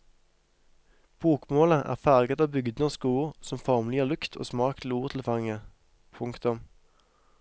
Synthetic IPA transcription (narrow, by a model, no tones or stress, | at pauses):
b̥uːkmoːləʔæ̰ːʁfæʁɡət̪ɑːbʏɡd̪noskuːʁsɔmfɔʁmlɪjəːʁlʉkt̪ʰo̰ːsmɑːkt̪ʰl̩uːʁt̪ʰl̩fɑŋə | pʰʊŋkt̪ʊm